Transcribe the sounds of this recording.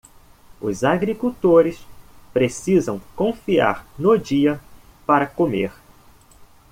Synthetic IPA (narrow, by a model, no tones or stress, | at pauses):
ʊzaɡɾikuwt̪oɾɪspɾesizɐ̰̃w̃kõfia̰ɾnod͡ʒiɐ | paɾɐkomḛɾ